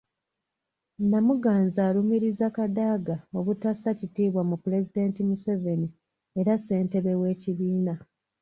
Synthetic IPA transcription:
namuɡaːnzaːlumiɾizakadaːɡao̞βutasacitiːβwamupule̞zide̞ːntimuse̞ve̞ni | e̞ɾase̞ːnte̞βe̞we̞ːciβiːna

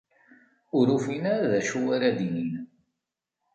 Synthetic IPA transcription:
ʊɾufinaɾaðæʃuwaɾæd̪inin

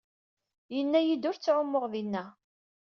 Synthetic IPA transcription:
jənːæjid̪ʊɾt͡sːʕʊmːʊʁðinːæ

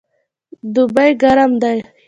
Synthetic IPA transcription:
d̪ʊbajɡaɾamd̪aj

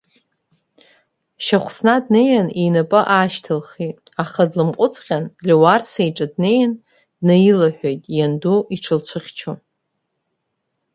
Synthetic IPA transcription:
ʃaχʷʰsnadnejanenapʼɨʔaːʃtʰɨlχi | aχadlɨmqʷʼʊt͡sʼqʲʼanlʲiwarsejʈ͡ʂʼadne̞jan | d̥najilaħʷᶣejtʼjanduiʈ͡ʂʰɨlt͡ɕʷʰɨχʲt͡ʃʰu

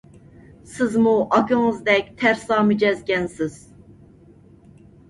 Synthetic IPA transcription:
sizmuʔɑkoŋɯzd̪ɛct̪ʰæɾsaːmyd͡ʒɛzɡʲɛnsiz̥

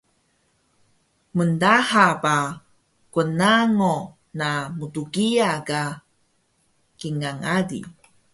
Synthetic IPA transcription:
məndahapa | kənaŋo | namutuɡiaɡa | kiŋaŋadḭ

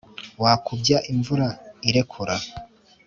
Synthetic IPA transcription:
waːkʰubjaʔiɱvuɾaiɾe̞kʰuɾa

